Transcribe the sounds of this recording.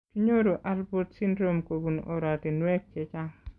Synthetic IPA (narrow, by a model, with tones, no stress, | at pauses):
tu˦ɲo˦ɾo˨ʔalbotsi˦ndɾomko˨bu˨nɔ˨ɾati˨nwɛ˦kːɛ˨t͡ʃa˦ŋ